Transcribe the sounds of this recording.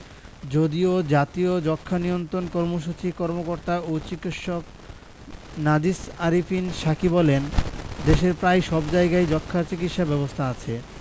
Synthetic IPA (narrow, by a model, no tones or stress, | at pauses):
d͡ʑod̪iod͡ʑat̪iod͡ʑɔkʰːanijont̪ɾonkɔɾmoʃ̬ut͡ɕikɔɾmokoɾt̪aot͡ɕikit̪ʃok | nad̪isaɾifinʃakibɔlend̪eʃeɾpɾajʃɔbd͡ʑaeɡajd͡ʑɔkʰːaɾt͡ɕikit̪ʃabɛbost̪ʰaat͡ɕʰe